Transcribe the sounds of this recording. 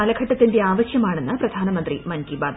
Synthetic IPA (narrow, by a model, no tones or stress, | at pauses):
ɐlɐɡʰʱɐʈːɐt̪ːinde̞aːʋɐɕjɐmaːɳe̞nːɨprɐd̪ʱaːnɐmɐnd̪rimɐnkibaːd̪